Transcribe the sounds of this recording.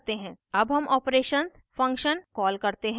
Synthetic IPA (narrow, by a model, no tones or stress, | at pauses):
t̪eɦɛ̃ɐbɦɐmɔːpɾeːʃənsfɐ̃ŋkʃənkɔːlkɐɾt̪eɦɛ̃